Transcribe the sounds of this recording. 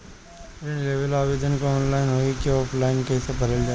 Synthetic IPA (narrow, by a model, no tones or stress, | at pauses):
ɾɪnleːʋəlaːʋeːd̪ənkaɔːnlaːɪnɦoːikɔːpʰlaːɪnkeːsepɐɾəld͡ʒaː